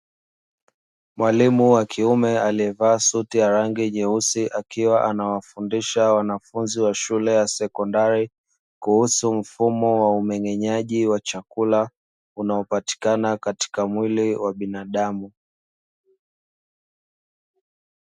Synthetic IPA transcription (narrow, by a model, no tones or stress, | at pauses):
mwalimuwakʰiumɛaliɛvaːsutijaɾaŋɡiɲɛusiʔakiwaʔanawafundiʃawanafunziwaʃulɛjasɛkɔndaɾi | kuhusum̩fumɔwaumɛɲɛɲaʄiwat͡ʃakula | unaɔpati̥kanakati̥kamwiliwaɓinaɗamu